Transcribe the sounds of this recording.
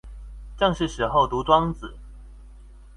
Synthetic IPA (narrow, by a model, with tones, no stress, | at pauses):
ʈ͡ʂjɑ˥˧ŋʂɻ̩˥˩ʂɻ̩˨˥xo˥˩ʊt̪u˨˧˦t͡swɑ˥ŋd͡z̩˨˩˦